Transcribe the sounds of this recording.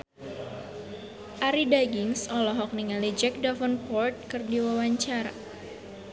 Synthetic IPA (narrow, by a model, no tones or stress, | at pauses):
ʔaɾidaɡiŋsɔlɔɦɔk̚niŋalid͡ʒɛk̚dafɔnpɔrt̪̚kɨrdiwawaɲt͡ʃaɾa̰